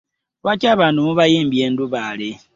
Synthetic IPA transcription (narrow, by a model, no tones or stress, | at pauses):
βwat͡ʃaβanumuβajiːmbjenduβale